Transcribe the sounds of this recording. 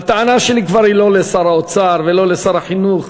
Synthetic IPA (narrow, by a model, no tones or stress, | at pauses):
at̪aʕanaʃelikvaɾhilo̞lesaɾaot͡saɾvelo̞lesaɾaħinuχ